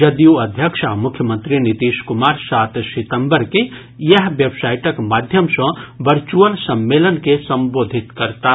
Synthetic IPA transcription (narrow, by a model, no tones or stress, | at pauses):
d͡ʒəd̪ijuɐd̪ʱjəkʃamʊkʰːjəmə̃nt̪ɾinit̪iːʃkumaːɾsaːt̪sit̪əmbəɾke | jəɦʋebsaːjʈəkmaːd̪ʱjəmsə̃ʋəɾt͡ʃuəlsɐmːeːlənkesəmboːd̪ʱit̪kəɾt̪a